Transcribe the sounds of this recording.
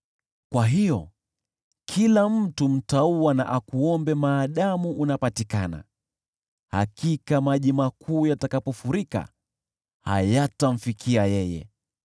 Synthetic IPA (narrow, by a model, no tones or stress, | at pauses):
kwaɦijɔ | kʰilam̩tum̩tauana̰ʔakuɔmbɛmaːɗamuʔːnapatikana̰ | ha̰kikamaʄimakʰuːjatakapɔfuɾika̰ | ha̰jatam̩fikʰiajɛjɛ̰